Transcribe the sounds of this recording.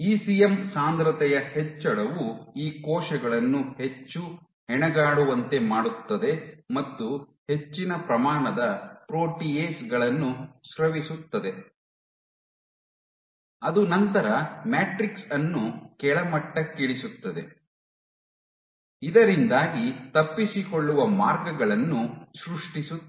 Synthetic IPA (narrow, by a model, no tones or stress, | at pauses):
iːsijemsaːnd̪ɾɐt̪ɛjɐhɛt͡ʃːɐɽɐʋuiːkɔːʃɐɡɐɭɐnːuhe̞t͡ʃːu | ɛɳɛɡaːɽuʋɐnt̪e̞maːɽut̪ːɐd̪e̞mɐt̪ːu | he̞t͡ʃːinɐpɾɐmaːɳɐd̪ɐpɾoːʈieːsɡɐɭɐnːuʃɾɐʋisut̪ːɐd̪e̞ | ɐd̪unɐnt̪ɐɾɐmaːʈɾiksɐnːukɛɭɐmɐʈːɐkːiɭisut̪ːɐd̪e̞̰ | id̪ɐɾind̪aːɡit̪ɐpːisikoɭːuʋɐmaːɾɡɐɡɐɭɐnːusɾuʂʈisu